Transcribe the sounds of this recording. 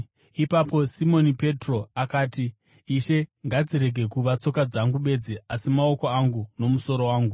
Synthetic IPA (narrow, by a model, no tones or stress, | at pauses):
ipapo̞simo̞nipe̞tro̞akaːtiː | ʃe̞ŋɡad͡ziɾe̞ɡʱe̞kuʋat͡so̞kad͡zaŋɡuɓe̞d͡ziasimao̞ko̞aŋɡuno̞muso̞ɾo̞waːŋɡu